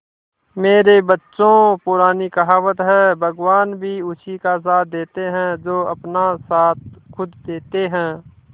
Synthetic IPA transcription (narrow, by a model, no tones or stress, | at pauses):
meːɾebətːʃõpʊɾaːnikɐɦaːwət̪ɦɛ̃ːbʱəɡwaːnbʱiʊt͡ʃʰikas̬aːt̪̚ʰd̪eːt̪eɦɛ̃d͡ʒoːɐpnasaːt̪̚kʰʊd̪d̪eːt̪eɦɛ̃ː